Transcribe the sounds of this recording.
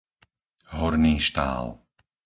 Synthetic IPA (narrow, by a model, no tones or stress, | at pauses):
ɦɔɾniːʃt̪a̰ːl